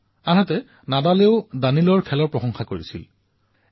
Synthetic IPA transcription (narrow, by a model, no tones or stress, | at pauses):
anatɛ | nadaleʊdanilɔɹkʰɛlɔɹpɹɔxɔŋxakoɹḭsḭl